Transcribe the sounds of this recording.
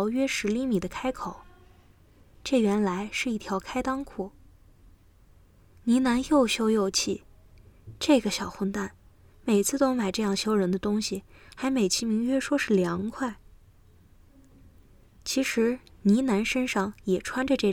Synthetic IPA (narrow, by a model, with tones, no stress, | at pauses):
ʊɥɛ˥ʂɻ̩˧˥li˥˩mi˨˩d̪ə˦kʰa˥ɪkʰo˨˩˦ʊ | ʈ͡ʂɤ˥˩ɥɛ˧˥nla˧˥ɪʂɻ̩˥˧i˥˩t̪ʰjɑ˧˥ʊkʰa˥ɪt̪ɑ˥ŋkʰu˨˩˦ | ni˧˥na˧˥njo˥˩ʊɕjo˥ʊjo˥˧ʊt͡ɕʰi˥˩ | ʈ͡ʂɤ˥˩ɡə˩ɕjɑ˨˩ʊxə˥˧nt̪a˥˩n | me˨˩ɪt͡sʰɹ̩˥˩t̪o˥ʊma˨˩ɪʈ͡ʂɤ˥˧jɑ˥˩ŋɕjo˥ʊɻə˧˥nd̪ə˧t̪ʊ˥ŋɕi˨xa˧˥ɪme˨˩ɪt͡ɕʰi˥mi˧˥ŋɥɛ˥ʂwɔ˥ʂɻ̩˥˩ljɑ˧˥ŋkʰwa˥˩ɪ | t͡ɕʰi˧˥ʂɻ̩˧˥ni˧˥na˧˥nʂə˥nʂɑ˥˩ŋjɛ˨˩ʈ͡ʂʰwa˥nʈ͡ʂə˨˧ʈ͡ʂɤ˥˩